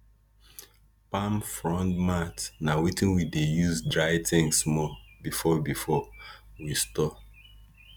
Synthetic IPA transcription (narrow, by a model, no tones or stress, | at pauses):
pãmfɹɔ̃ndmatnawitĩnwidejuzdɹaɪtɪ̃ŋsmɔbifɔbifɔwistɔ